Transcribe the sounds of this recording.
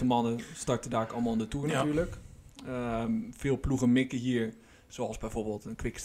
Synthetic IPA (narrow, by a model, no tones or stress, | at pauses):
əmɑnəstɑɹtədaːkɑlˠmalˠndətuːɹnatyːɹləkəfɪːlˠpluɣənmɪkəɦiəɹ | soɑlˠzbɛjfoːɹbeːlˠtənkʋɪk